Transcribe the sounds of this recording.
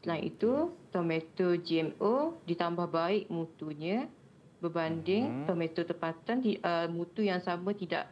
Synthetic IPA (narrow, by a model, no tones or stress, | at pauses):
slaŋḭt̪ut̪ɔmet̪od͡ʒiɛmodit̪ambahbaɪʔmut̪uɲə̃ | bəbandɪŋt̪ɔmẽt̪ot̪əmpat̪aniəmũt̪ujaŋsamə̃t̪ida̰ʔ